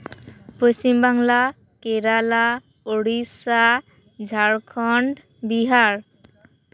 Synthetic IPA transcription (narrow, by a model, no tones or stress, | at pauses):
post͡ʃimbaŋla | keɾala | oɽisa | d͡ʒʱaɽkʰɔɳɖ | biɦaɾ